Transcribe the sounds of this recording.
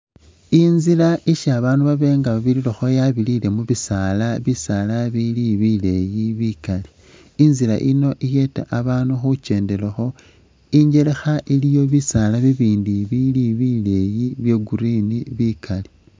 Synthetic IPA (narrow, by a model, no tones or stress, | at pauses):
inzilaʔiʃaβaːnuβaβe̞ːŋɡaβaβililoxo̞jaβilile̞muβisalaβisalaβiliβile̞jiβikaliː | nzila̰ʔino̞ʔije̞ta̰ʔaβaːnuxut͡ʃe̞ːnde̞lexo̞ | iɲɟe̞le̞xaʔilijo̞βisalaβiβiːndiβiliβile̞jiβje̞ɡuɾiniβikʰali